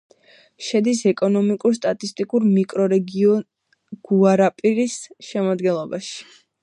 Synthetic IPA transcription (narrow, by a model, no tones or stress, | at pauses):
ʃɛd̪is̬ɛkʼɔnɔmikʼuɾst̪ʼat̪ʼist̪ʼikʼuɾmikʼɾɔɾɛɡiɔ | ɡ̥uaɾapʼiɾisʃɛmad̪ɡɛnlˠɔbaʃi̥